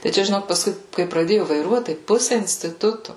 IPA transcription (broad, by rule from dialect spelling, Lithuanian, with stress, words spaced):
tɐɪ ˈt͡ʃʲɛ ʒʲɪˈnoːk pɐsˈkʊɪ kɐɪ prɐˈdʲeːjʊ ʋɐɪˈruɔt tɐɪ ˈpʊsʲɪ ɪnʲsʲtʲɪˈtʊtʊ